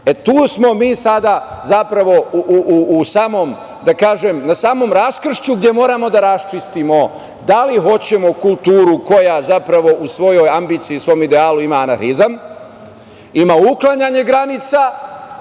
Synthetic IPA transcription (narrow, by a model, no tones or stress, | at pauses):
et̪uːsmo̞miːsad̪azapɾaʋo̞uʔuʔuusaːmo̞m | d̪akaːʒe̞mnasaːmo̞ːmɾaskr̩ʃt͡ɕuɡd̪ʲje̞mo̞ːɾaːmo̞d̪aɾast͡ʃist̪imo̞ | d̪aliɦo̞t͡ɕe̞mo̞kulˠt̪uːɾuko̞jazapɾaʋo̞usʋo̞jo̞jambiːt̪siːsʋo̞jmid̪eaːluimaːnaxizam | imauklˠaɲaːɲe̞ɡɾanit̪sa